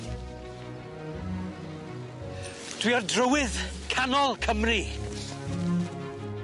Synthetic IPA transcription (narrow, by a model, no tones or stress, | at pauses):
d̥wiɔrdrəwɪðkʰanɔlˠkʰəmri